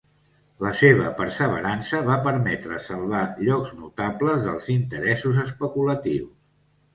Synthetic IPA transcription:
ləseβ̞əpəɾsəβ̞əɾansəβapəɾmɛt̪ɾəsəlˠβaʎɔkznut̪apləzðəlˠzint̪əɾɛsuzəspəkulət̪iwss

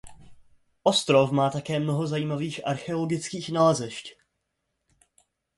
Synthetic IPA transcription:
ʔost̪ɾo̞fmaːt̪akɛːmnoɦo̞zajiːmaviːxʔa̰ɾxɛoloɡɪt͡skiːxnalɛzɛʃc

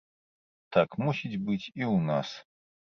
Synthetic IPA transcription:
tʰakʰmusitʲbɨtʲʰiunas

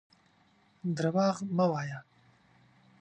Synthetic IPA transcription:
d̪ɾawɑːɣmawɑːja

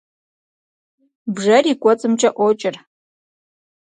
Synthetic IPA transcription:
bʐɐriːkʷʼɔt͡sʼɨmt͡ʃʼɐʔʷɔt͡ʃʼɪr

